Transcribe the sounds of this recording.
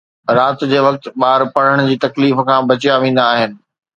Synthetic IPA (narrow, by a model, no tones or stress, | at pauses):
ɾaːt̪d͡ʑeːʋɐk̚t̪ɓaːɾpɐɽ̤əɽ̃d͡ʑiːt̪ɐkliːfkʰãːbɐt͡ɕjaʋẽːn̆d̪aːɦɪnɪ̆